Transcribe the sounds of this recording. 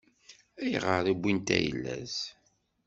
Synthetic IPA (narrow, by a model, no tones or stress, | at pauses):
æjʁəɾˤibʷːint̪æ̰jə̰lːæz